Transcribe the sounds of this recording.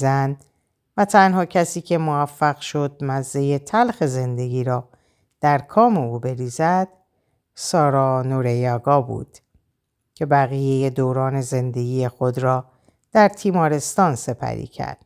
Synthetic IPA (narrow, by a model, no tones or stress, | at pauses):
zænd̪ | væt̪ʰænhɒːcʰæsiːcʰe̞movæfːæɣʃo̞d̪̚mæzːe̞je̞t̪ʰælxe̞ze̞nd̪e̞ɡiːɾɒː | d̪̥æɾkʰɒːme̞uːbe̞ɾiːzæd̪̥ | sɒːɾɒːnoɾejɒːɡɒːbṵːd̪̥ | cʰe̞bæɣije̞je̞d̪oːɾɒːne̞ze̞nd̪e̞ɡiːje̞xo̞d̪ɾɒː | d̪̥æɾt̪ʰiːmɒːɾe̞st̪ɒːnse̞pʰæ̰ɾḭːcʰæ̰ɾd̪̥̚